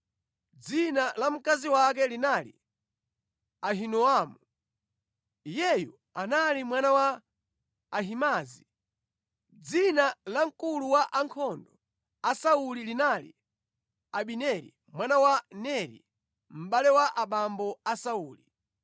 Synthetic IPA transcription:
d͡zinalam̩kaziwak̬ɛlinalḭ | aɦinɔamu | jɛjṵ | analimwanawaː | ɦimaːzi | d͡zinalaŋ̩kuluwaʔaŋkʰɔndɔ | asaulilinalḭ | aɓinɛɾḭ | mwanawanɛɾḭ | m̩ɓalɛwaʔaɓambɔasauːli

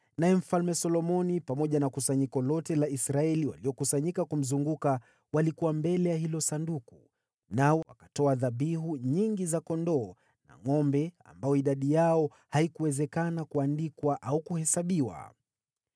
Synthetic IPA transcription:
najɛm̩falmɛsɔlɔmɔnipamɔʄanakusaɲikɔlɔtɛlaisɾaɛliwa̰liɔkusaɲikakum̩zuŋɡuka | walikuwambɛlɛjahilɔsanduku | naɔwakḁtɔaðaɓiɦuɲiŋɡizakɔndɔː | na̰ŋɔmbɛa̰mbajɔiɗaɗijaɔ | haikuwɛzɛkanakuandikwaʔaukuhɛsaɓiwa̰

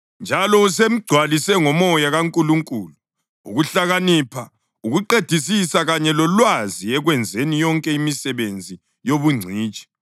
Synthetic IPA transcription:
nd͡ʒʱalɔusem̩ɡ͡ǀʱwalisɛŋɔmɔjaɣaŋkʼuluŋkʼuːlu | uɣuɬaɣaniːpʰa | uɣuǃed̥ʱisisaɣaɲɛlɔlwaziɛɣwɛnd͡zʱenijɔŋkʼɛimisɛβend͡zʱi | joβuŋ͡ǀʱiːt͡ʃʼi̥

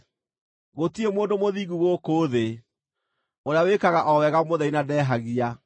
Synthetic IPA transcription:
ɣotiemoːndomoðiːɣuɣokoːðe | oɾeawekaɣaʔɔwɛɣamoðɛinadɛːɦaɣia

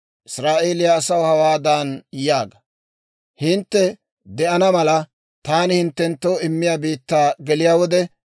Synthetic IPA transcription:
ʔɪsɾaːʔeːlɪjaːsɐwhɐwaːd̪aːnjaːɡɐ | hɪnt̪ːɛ | d̪ɛʔɐnɐmɐlɐ | t̪aːnɪhɪnt̪ːɛnt̪ːoːɪmːɪjaːbiːt̪ːaːɡɛlɪjaːwɔd̪ɛ

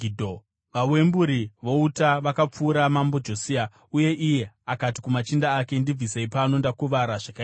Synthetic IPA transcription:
idʱo | ʋawe̞mbuɾiʋo̞utaʋakap͡fuːɾamambo̞d͡ʒo̞sia | uje̞ʔije̞ | akati̥kumat͡ʃindaːke̞ndib͡viseipano̞ndakuʋaɾaʐaka

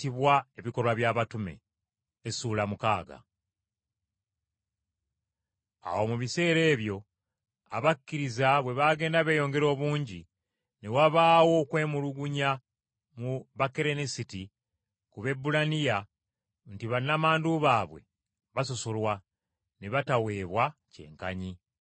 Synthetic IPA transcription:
tiβwae̞βiko̞lwaβjaːβatume̞̰ː | suːlamuka̰ːɡa̰ | a̰wo̞muβise̞ːɾe̞ːβjo̞ | a̰βakːiɾizaβwe̞βaɡe̞ːndaβe̞jo̞ːŋɡe̞ɾo̞ːβuːɲɟi | newaβaːwo̞ːkwe̞ːmuluɡuɲa | muβakeɾe̞nisiti | kuβe̞bulanija | ntiβanːamaːnduβaːβwe̞̰ | βaso̞so̞lwa | neβatawe̞ːβwace̞̰ːŋka̰ɲi

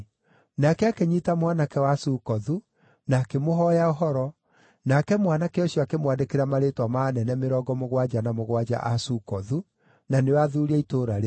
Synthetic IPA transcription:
nakɛakeɲitamwanakɛwasukɔðu | naːkemoɦɔjaoɦɔɾɔ | nakɛmwanakɛɔɕjɔakemwadekeɾamaɾetwamanɛnɛmeɾɔɡɔmoɣwad͡ʒanamoɣwad͡ʒa̰ʔasukɔðu | nanewaðuɾiaitoːɾaɾe

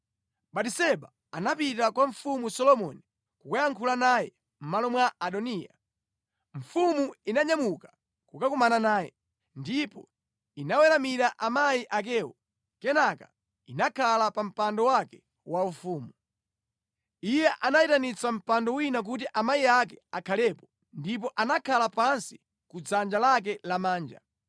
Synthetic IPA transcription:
ɓatisɛɓa | anapitakwaɱ̩fumusɔlɔmɔ̰ni | kukujaŋkʰulanaːjɛ̰ | m̩malɔmwaʔaɗɔnija̰ | ɱ̩fumuinaɲamukḁ | kukakumananaːjɛ̰ | ndipɔ | inawɛɾamiɾaʔamaiʔak̬ɛwɔ | kɛnaka̰ | inakʰalapam̩pandɔwakɛ | waufuːmu | ijɛʔanaitanit͡sam̩pandɔwinak̬ut̬iʔamaiak̬ɛakʰalɛpɔ | ndip̬ɔʔanakʰalapansi̥ | kud͡zand͡ʒalak̬ɛlamaːnd͡ʒa̰

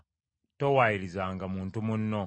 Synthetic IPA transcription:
towajiɾizaːŋɡamuːntumunːo̞

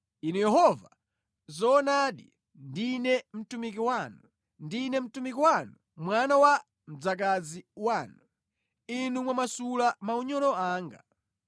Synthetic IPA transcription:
inɛjɛɦɔva | zɔːnaːɗi | ndinɛm̩tumik̬iwanu | ndinɛm̩tumikiwanu | mwanawa | m̩d͡zak̬aziwaːnu | inumwamasulamauɲɔlɔaːŋɡa

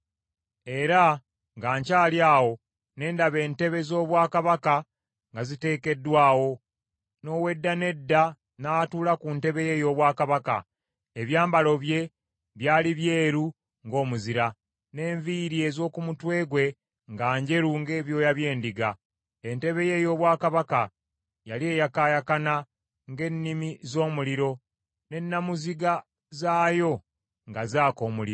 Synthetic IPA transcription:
e̞ɾa | ŋɡaːɲcaːljaːwo̞ | ne̞ːndaβe̞ːnte̞βe̞zo̞ːβwaːkaβaka | ŋɡazite̞ːke̞dːwaːwo̞ | no̞ːwe̞dːane̞dːa | natuːlakunte̞βe̞je̞jo̞ːβwaːkaβaka̰ | eβjaːmbalo̞βje̞ | βjaːliβjeːɾu | ŋɡo̞ːmuziɾa | ne̞ːɱviɾie̞zo̞ːkumutwe̞ːɡwe̞ | ŋɡaːɲɟe̞ɾuŋɡe̞ːβjo̞ːjaβje̞ːndiɡa | ente̞βe̞je̞jo̞ːβwaːkaβaka | jalie̞ːjakaːjakana | ŋɡe̞nːimizo̞ːmuliɾo̞ | ne̞nːamuziɡa | zaːjo̞ | ŋɡazaːko̞ːmuliɾo

